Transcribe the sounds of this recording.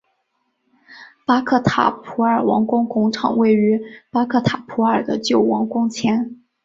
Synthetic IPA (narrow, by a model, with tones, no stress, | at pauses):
pa˥kʰɤ˥˩t̪ʰa̰˨˩pʰu˧˥ə˞˨˩wɑ˧˥ŋkʊ˥ŋkʊ˥ŋʈ͡ʂʰɑ̰˨˩ŋwe˥˩ɪy˧˥pa˥kʰɤ˥˩t̪ʰa˨˩pʰu˧˥ə˞˨˩d̪ə˦t͡ɕjo˥˩ʊwɑ˧˥ŋkʊ˥ŋt͡ɕʰjɛ˧˥n